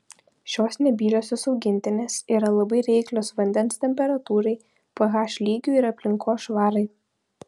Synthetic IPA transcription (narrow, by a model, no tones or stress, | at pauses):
ʃʲoːsnʲɛbʲiːlʲoːsʲoːsɒʊɡʲɪnʲt̪ʲɪnʲeːsiːɾɐlˠɐbɐɪɾʲɛɪklʲoːsʋɐnʲd̪ʲɛnst̪ʲɛmʲpʲɛɾɐt̪uːɾɐɪ | pɐɣɑːʃʲlʲiːɡʲuɪɾɐpʲlʲɪŋkʰoːsʃʋɑːɾɐɪ